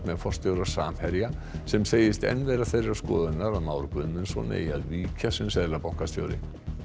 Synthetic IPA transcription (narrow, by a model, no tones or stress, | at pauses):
t̪mɛðfɔr̥st̪jowɾḁsa̰ːmhɛɾja | sɛmseːjɪst̪ɛ̰nːvɛːɾaθejɾɪɾaskɔːðʏnaɾaðmaːwɾkvʏðmʏnsɔ̰nɪ̰iaðviːcʰasʏmsɛðlapaw̥kast̪jo̰wɾɪ̰